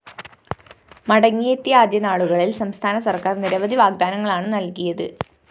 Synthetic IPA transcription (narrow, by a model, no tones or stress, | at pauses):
mɐɽɐŋːijet̪ːijɐaːd̪jɐnaːɭuɣɐɭilsɐmst̪ʰaːnɐsɐrkaːrniɾɐʋɐd̪iʋaːɡ̚d̪aːnɐŋːɐɭaːɳɨnɐlkijɐðɨ